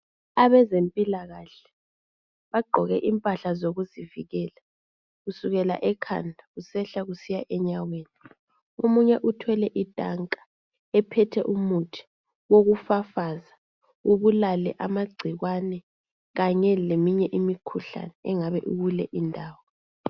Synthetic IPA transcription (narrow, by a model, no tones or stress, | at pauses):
aβɛzempʼilaɣaɬɛ̥ | βaɡ͡ǃʱɔɣɛʔimpʼaɬazoɣuziviɣɛːla | ɣusuɣɛla̰ʔɛkʰa̰ndʱaɣusɛɬaɣusijaʔɛɲaweːni | omuɲɛʔutʰwɛlɛʔitʼaŋkʼḁ | ɛpʰɛtʰɛʔumutʰi̥ | woɣufafaza | uβulalɛ̰ʔamaɡ͡ǀʱiɣwanɛ | ɣaɲɛlemiɲɛʔimikʰuɬa̰nɛɛŋaβɛ̰ʔuɣulɛʔindʱaːwɔ